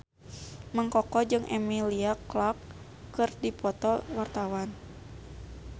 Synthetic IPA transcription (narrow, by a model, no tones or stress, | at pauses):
məŋkɔkɔd͡ʒɨŋʔɛmiliaklɔkː | ɨrdipɔt̪ɔwart̪awan